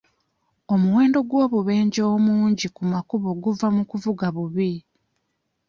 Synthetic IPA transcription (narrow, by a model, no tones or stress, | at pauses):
o̞muwe̞ːndo̞ɡwo̞ːβuβe̞ːɲɟoːmuːɲɟikumakuβo̞ɡuvamukuvuɡaβuβi